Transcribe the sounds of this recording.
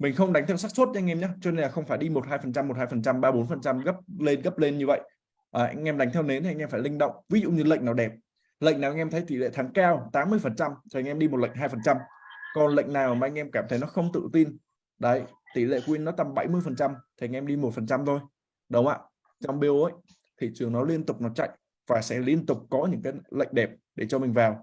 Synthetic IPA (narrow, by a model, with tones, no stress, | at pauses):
mï˨˩ŋ̟xə˧wŋ͡mɗa˨˦ŋ̟t̪ʰɛ˧ws̬aː˦˥k̚so˦˥t̚ʔa˧ŋʔɛ˧mɲaː˨˦t͡ɕɔ˧ne˧nla˨˩xə˧wŋ͡mfaː˧˩jɗi˧mo˨˩t̚haː˧jfə˨˩nt͡ɕa˧mːo˨˩t̚haː˧jfə˨˩nt͡ɕa˧mɓaː˧ɓo˨˦nfə˨˩nt͡ɕa˧mɣə˦˥p̚le˧nɣə˦˥p̚le˧nɲɨ˧və̰˧˨j | ʔaː˨˩ʔjŋ̟ʔɛ˧mɗa˨˦ŋt̪ʰɛ˧wne˨˦n˨˧ŋʔɛ˧mfaː˧˩lï˧ŋ̟ɗə̰˧˨wŋ͡mvi˨˦zṵ˧˨ɲɨ˧lə̰˧˨ŋ̟naː˨˩wɗɛ˨˩p̚ | lə̰˧˨ŋ̟naː˨˩ʔŋ̟ʔɛ˧mt̪ʰə˨˦jt̪i˧˩lḛ˧˨t̪ʰaː˨˦ŋkaː˧wt̪aː˨˦mːɨ˧əjfə˨˩nt͡ɕa˧mt̪ʰe˨˩˨ŋʔɛ˧mɗi˧mo˨˩t̚lə̰˧˨ŋ̟ɦaː˧jfə˨˩nt͡ɕa˧m | kɔ˨˩nlə̰˧˨jŋ̟naː˨˩wmaː˨ʔa˧ŋ̟ʔɛ˧mkaː˧˩mt̪ʰə˨˦jnɔ˨˦xə˧wŋ͡mt̪ɨ̰˧˨t̪i˧n | ɗə˨˦jt̪i˧˩lḛ˧˨kwi˧nːɔ˨˦t̪a˧mɓa˧˩jmɨ˧əjfə˨˩nt͡ɕa˧mt̪ʰi˨˩ʔa˨ŋʔɛ˧mɗi˧mo˨˩t̚fə˨˩nt͡ɕa˧mt̪ʰo˧j | ɗə˨˦wŋ͡mʔa̰ː˧˨ | t͡ɕɔ˧wŋ͡mɓi˧əwʔə˦j | t̪ʰi˨˩t͡ɕɨ˨˩əŋnɔ˨˦li˧ənt̪ʊ˨˩k͡p̚nɔ˨˦t͡ɕa̰˧˨jŋ | vaː˨˩sɛ̰˧˥li˧ənt̪ʊ˨˩k͡p̚kɔ˨˦ɲɨ̰˧˥ŋkaː˨˦jlə̰˧˨jŋ̟ɗɛ˨˩p̚ɗe˧˩t͡ɕɔ˧mi˨˩ŋ̟vaː˨˩w